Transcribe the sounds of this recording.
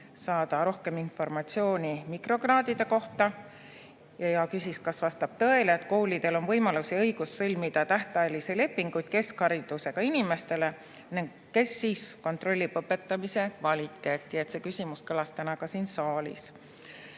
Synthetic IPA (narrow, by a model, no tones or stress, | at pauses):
sɑːd̪̥ɑɾo̞hke̞minfo̞rmɑt̪sio̞ːnʲimikro̞krɑːd̪id̪̥e̞ko̞ht̪ɑ | jɑjɑkysʲiskɑsvɑst̪ɑb̥t̪ɤe̞leːt̪ko̞ːlid̪̥e̞lo̞nvɤjmɑlusiɤjɡ̥ussɤlʲmid̪̥ɑt̪æht̪ɑjelisele̞pːˑiŋɡ̥ujd̪̥̚ke̞skhɑɾid̪̥use̞kɑinime̞st̪e̞le̞ | niŋɡ | kːe̞sːiːsko̞nt̪ro̞lʲːipɤpːˑe̞t̪ːˑɑmise̞kvɑlʲit̪ːˑe̞ːt̪ˑːie̞t̪sekysʲimuskɤlɑst̪ænɑɡ̥ɑsiːnsɑːlʲḭs